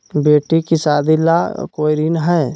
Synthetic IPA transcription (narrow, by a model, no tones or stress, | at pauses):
beːʈikisaːd̪ilakoːjɾiːnɦɛː